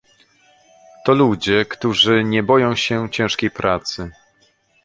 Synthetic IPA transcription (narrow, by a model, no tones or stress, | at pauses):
t̪ɔlud͡ʑɛkt̪uʐɘɲɛbɔjɔ̃w̃ɕɛt͡ɕɛ̃ʂkʲejpɾʔat̪sɘ